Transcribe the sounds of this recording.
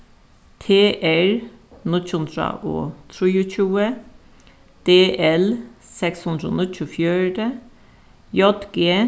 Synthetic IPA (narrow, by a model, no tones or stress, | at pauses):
t̪ʰeːʔæɹ | nʊtʉnd̪ɾə̰ʔo̰ːt̪ʰɾiːʊc͡çuːə | d̪̥eːʔɛlsɛkshʉnd̪ɾəo̰ːnɪcʊfjœɖə | jɔt̪ɡeː